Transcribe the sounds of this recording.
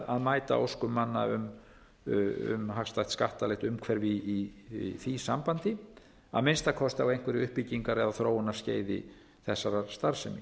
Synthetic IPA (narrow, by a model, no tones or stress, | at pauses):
aðmaːjt̪a̰o̰wskʏmːanːa̰ʏm | ʏ̰mɦakst̪ajht̪skaht̪alɛht̪ʏmkʰvɛɾviːθisampant̪ɪ | a̰ðmɪnst̪akʰɔst̪awejŋ̥kʰvɛɾɪʏhpiciŋkaɾɛðaθɾoːwʏnḁsceːjðɪ̰ | θɛsːaɾast̪aɾsɛmi